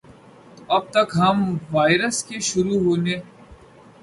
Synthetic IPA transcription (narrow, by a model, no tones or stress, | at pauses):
oɐb̚t̪ɐkɦɐmʋaːɪɾəskeʃʊɾuɦoːneː